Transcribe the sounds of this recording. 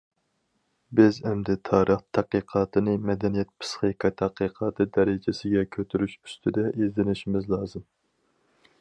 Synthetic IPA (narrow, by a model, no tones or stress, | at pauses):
bɪzɛmd̪ɛt̪ʰɑːɾʔəχt̪ʰæqiqʰɑːt̪ʰɨnɨmɛd̪ɛnijɛt̪̚pʰɨ̥sχiqʰɑt̪ʰæqəqʰɑːt̪ʰɨd̪ɛɾɪd͡ʒesɪɡʲɛkʲʰøt̪ʰyɾyʃy̥st̪ʰɪd̪ɛʔezd̪ɪnɪʃimɪzlˠɑːzɨm